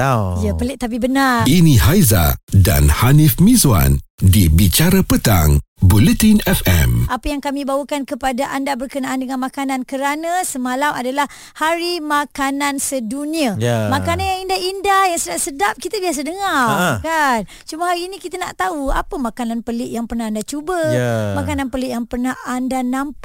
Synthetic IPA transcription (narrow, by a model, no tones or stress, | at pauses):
japəlɪʔ̚t̪ap̬ibənarinĩɦajza̰da̰nhanifmĩzua̰ndibit͡ʃaɾapət̪a̰ŋbulət̪inɛfɛ̰mʔapəjaŋkamĩbawəkankəpadaʔandabərkənaʔandəŋanmakanãnkəɾanãsəmalamadalah | haɾimakanansəduniamakananjaŋindahindahjaŋsədaʔsədap̚kit̪abias̬adəŋarkan | t͡ʃumaɦaɾiːnĩkit̪ana̰ʔt̪aua̰pəmãkananpəlɪʔjaŋpərnahandat͡ʃubəmakananpəlɪʔjaŋpərnahandanamp